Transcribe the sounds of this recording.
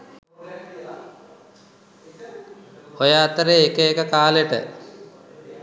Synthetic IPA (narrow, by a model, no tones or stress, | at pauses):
hojaːt̪əɾeːkəekəkaːleʈə̰